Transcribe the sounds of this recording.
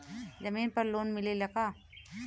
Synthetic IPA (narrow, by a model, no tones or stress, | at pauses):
zɐmiːnpɐɾloːnmɪlelɐkaː